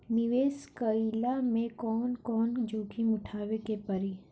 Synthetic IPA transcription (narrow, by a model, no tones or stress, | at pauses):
nɪʋeːskəilamẽkɔːnkɔːnd͡ʒoːkʰimʊʈʰaːʋekepəɾi